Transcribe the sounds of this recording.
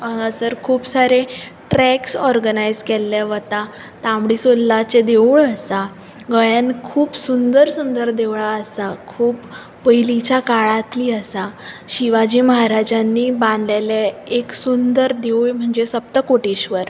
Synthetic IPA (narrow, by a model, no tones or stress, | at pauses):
maŋɡasəɾkʰuːpsaɾeʈɾɛksɔɾɡənajd͡zkɛlːeʋət̪a | t̪ãmɽisolːat͡sed̪euɭəsa | ɡəjankʰuːpsund̪əɾsund̪əɾd̪eʋɭaəsakʰuːpː | əɦilit͡ɕjakaɭat̪liːəsaɕiʋad͡ʑiːməɦaɾad͡ʑanːiːbãnd̪leleeksund̪əɾd̪euɭm̤əɳd͡zesəp̚t̪əkoʈiɕʋəɾ